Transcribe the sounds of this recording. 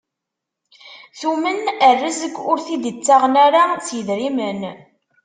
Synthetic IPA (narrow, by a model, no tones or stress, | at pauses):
θumənərːəzəɡʷʊɾθid̪it͡sːaʁnaɾasjəðɾimən